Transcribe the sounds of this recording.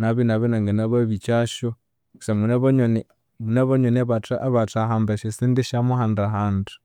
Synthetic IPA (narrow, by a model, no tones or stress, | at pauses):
naβinaβinaŋɡanaβaβit͡ʃaʃo̥ | samunaβoɲoni | munaβaɲoniaβataʔaβataɦambaʃesindeʃamuhandaɦaːndu